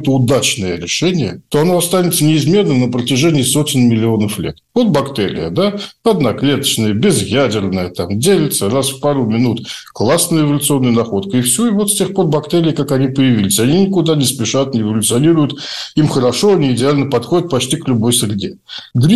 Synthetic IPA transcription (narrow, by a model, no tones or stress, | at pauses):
t̪əʊd̪at͡ɕnəjəɾʲɪʂɛnʲɪjət̪o̞ɐnoɐst̪anʲɪt̪sənʲɪɪzmʲe̞rnɨmnəpɾətʲɪʐɛnʲɪːso̞tʲɪnmʲɪlʲɪo̞nəflʲet̪vo̞t̪̚bɐkt̪eɾʲɪ̰jə̰d̪aɐd̪nɐklʲe̞t̪ə̥t͡ɕnəjəbʲɪzjædʲɪrnəjət̪amdʲelʲɪt̪sərasfpaɾumʲɪnut̪klˠasnəjəɪvɐlʲʊt̪sɨo̞nːɨjənɐxo̞t̪kəɪfsʲuɪvo̞t̪sʲtʲexpo̞rbɐkt̪eɾʲɪːkakɐnʲipəjɪvʲilʲɪsʲɐnʲinʲɪkʊd̪anʲɪspʲɪʂat̪̚nʲɪɪvəlʲʊt̪sɨɐnʲiɾʊjʊt̪imxəɾɐʂo̞ɐnʲiːdʲɪalʲnəpɐt̪xo̞dʲɪt̪̚pɐt͡ɕtʲiklʲʊbo̞jsɾʲɪdʲe | ɡ̪ɾʲ